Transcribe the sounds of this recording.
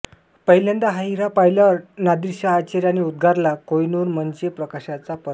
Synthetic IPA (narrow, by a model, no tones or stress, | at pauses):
pəɦjljẽnd̪aɦaɦiɾapajlaɾnad̪iɾɕaːt͡ɕeɾjaniud̪̚ɡʱaɾlakojnuɾmənd͡ʑepɾəkaɕat͡sapə